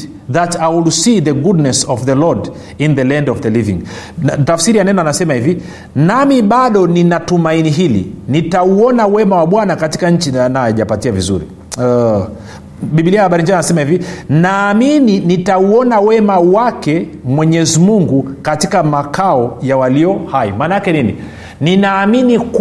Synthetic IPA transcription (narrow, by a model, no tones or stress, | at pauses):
ðatajwilsiðəɡudnɛsɔvðəlɔd | inðəlɛ̃ndɔvðəlivḭ̃ŋtafsiɾijanɛnaanasɛmahivi | namiɓaɗɔninatumainiɦilḭnitauɔnawɛmawaɓwanakati̥kaɲ̩t͡ʃinajɔjaʄapatiavḭzṵɾḭ | ɓiɓiliahaɓaɾiɲd͡ʒianasɛmahivinaːmininitauɔnawɛmawakɛ | mwɛɲɛzimuŋɡukatikamakaɔjawaliɔhaḭmanakɛninḭ | ninaːminik